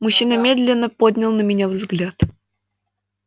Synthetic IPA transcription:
mʊɕːinəmʲed̪lʲɪnːəpod̪ʲnʲɪlˠnəmʲɪnʲavzɡlʲat̪

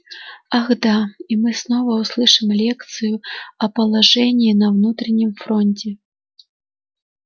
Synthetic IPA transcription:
aɣd̪aimɨsnɔvɐwslˠɨʂɨmlʲɛkt̪sɨjuɐpɐlˠaʐɛnʲːinɐwnut̪ɾɐnʲimfɾɔnʲt͡sʲɛ

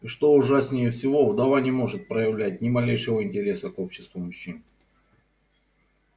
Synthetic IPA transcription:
ʂt̪o̞ʊʐasʲnʲɪjəfsʲɪvo̞vd̪ɐvanʲɪmo̞ʐɨt̪̚pɾəjɪvlʲæt̚ʲnʲɪmɐlʲejʂɨvəɪnʲtʲɪɾʲe̞səko̞pɕːɪ̥st̪vʊmʊɕːin

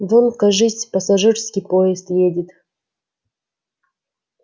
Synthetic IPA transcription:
vonkɐʐɨsʲpɐsɐʐɨrskʲipojɪst̪jedʲit̪

